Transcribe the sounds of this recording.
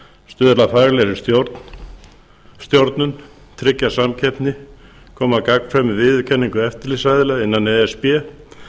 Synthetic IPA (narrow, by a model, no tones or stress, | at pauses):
st̪ʏðɾlafajɾlɛɾɪst̪joɾt̪ | st̪jowɾt̪nʏn | t̪ʰɾɪcːasamcʰɛpnɪ | kʰɔːmakakn̥fɾamɪvɪðʏcʰɛnːiŋkʏɛft̪ɪɾlisajðɪlɛɪnːanɛɛspɛː